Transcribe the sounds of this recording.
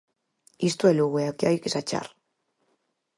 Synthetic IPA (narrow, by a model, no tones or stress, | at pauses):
ist̪ueluɣueakjajkisat͡ʃa̰r